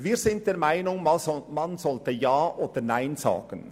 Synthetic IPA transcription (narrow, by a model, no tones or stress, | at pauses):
viːɾz̥ɪnt̚d̥eːɾmaɪnʊŋmanzɔltəjaːʔoːd̥ənaɪnza̰ːɡ̥ən